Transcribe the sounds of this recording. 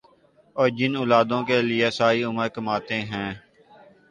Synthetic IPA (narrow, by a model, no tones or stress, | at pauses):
ɔːɾd͡ʒɪnʊːlaːd̪õːkelɪesaːɾiʊməɾkəmaːt̪eɦɛ̃ː